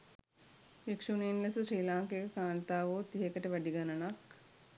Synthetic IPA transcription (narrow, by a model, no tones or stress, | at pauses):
ʋekʂuninlesəsɾiːlaːŋkekəkaːnt̪aːʋoːt̪iɦekəʈəʋæɖiɡanənak